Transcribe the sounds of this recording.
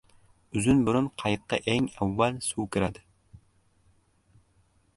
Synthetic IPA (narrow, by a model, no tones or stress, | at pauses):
yzynbyɾunqʰɑjt̪̚qːɑ̰ʔeŋæwːælsuwkʲʰɨɾɛd̪ɪ